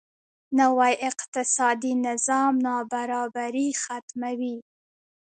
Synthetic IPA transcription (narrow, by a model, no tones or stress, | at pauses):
nawajʔɪqt̪ɪsɑd̪inɪzɑmnɑbaɾɑbaɾixat̪mawi